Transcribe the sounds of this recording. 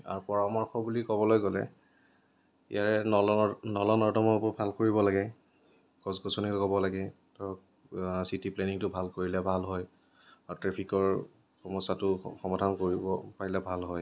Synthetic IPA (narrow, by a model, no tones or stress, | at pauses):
a̰ɹupɔɹamɔɹxɔbulikɔbɔlojɡɔlɛ̰ | ḭjaɹɛnnɔlɔnɔɹdɔmɔbɔbʱalkoɹibɔlaɡɛ | ɡɔzɡɔsonilɔkɔbɔlaɡɛ | tɔ | sitipleniŋtʊbʱalkoɹilɛbʱalɦɔj | aɹtɹepʰikɔɹ | xɔmɔsatʊxɔmadʱankoɹibɔpaɹilɛbʱalɦɔj